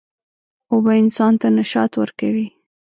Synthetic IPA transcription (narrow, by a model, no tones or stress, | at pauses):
obaɪnsɑnt̪anaʃɑt̪wəɾkawi